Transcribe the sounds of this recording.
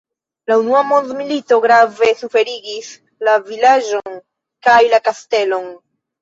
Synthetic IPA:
launuamo̞ndmilito̞ɡɾave̞sufe̞ɾiɡis | lavilaʒo̞n | kajlakaste̞lo̞n

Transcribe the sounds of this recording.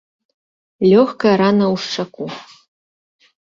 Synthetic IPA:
lʲoxkɐɾanɐuʂʈ͡ʂɐkʷu

